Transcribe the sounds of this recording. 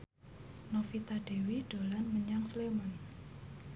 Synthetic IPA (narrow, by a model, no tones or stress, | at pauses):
nofit̪aɖ̥e̤wiɖ̥o̤lanməɲaŋsleman